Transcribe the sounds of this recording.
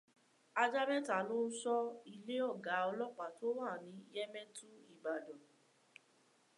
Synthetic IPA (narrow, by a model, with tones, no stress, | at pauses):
a˧d͡ʒa˦ɾɛ˦ta˨lo˦n̩˦sɔ˦i˧le˦ɔ˦˨ɡa˨˦ɔ˧lɔ˦k͡pa˨to˦wa˦˨nĩ˨˦i˦jɛ˦mɛ̃˦tũ˦i˦˨ba˨dɔ̃˨